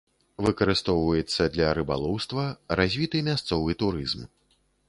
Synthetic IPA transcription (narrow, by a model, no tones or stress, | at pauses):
vɨkɐɾɨst̪ɔwvɐjɛt̪sːɐd̪lʲɐɾɨba̰lˠɔwst̪vɐɾazʲvʲit̪ɨmʲast̪sɔvɨt̪uɾɨzm